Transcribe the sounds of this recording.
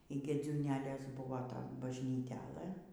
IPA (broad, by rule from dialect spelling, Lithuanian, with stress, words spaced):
iː ɡʲeːd͡zʲuːˈnʲæːlʲeːs ˈbʊʋoː ˈtoːn bɐʒʲnʲiːˈtʲæːlˠɘ